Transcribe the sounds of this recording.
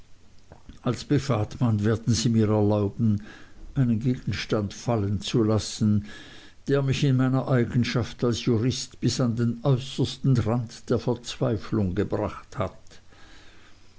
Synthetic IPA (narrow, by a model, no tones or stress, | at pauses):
ʔalsb̥əfaːtmanveːɐdn̩ziːmiːɐɛɐlaʊbn̩ʔaɪnənɡeːɡ̥n̩ʃtantfalənt͡sulasn̩ | d̥eːɐmɪçɪnmaɪnɐʔaɪɡn̩ʃaftalsjuʁɪstb̥ɪsandeːnʔɔʏsəstn̩ʁantd̥eːɐfɛɐt͡sv̥aɪflʊŋɡəbʁaχthat